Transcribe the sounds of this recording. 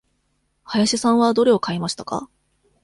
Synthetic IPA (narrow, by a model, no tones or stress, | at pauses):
hajaɕisãɰ̃βad̪o̞ɾe̞o̞kaimaɕi̥t̪aka̰